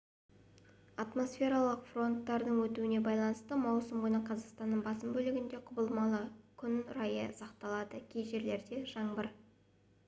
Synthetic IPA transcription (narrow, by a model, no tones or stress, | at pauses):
ɑt̪mo̞sfʲe̞ɾɑlˠəqfro̞nt̪ːɑɾd̪əɴwɵt̪uɪne̞bɑjlˠɑnəst̪əmɑwsəmʁojnəqʰɑzɑqst̪ɑnːəɴbɑsəmbɵlɪɡʲɪnd̪e̞qʰʊbəlˠmɑlˠəkʲʰʏnʊɾɑjə̰sɑqt̪ɑlˠɑd̪əkʲʰejʒe̞ɾle̞ɾd̪e̞ʒɑɴbəɾ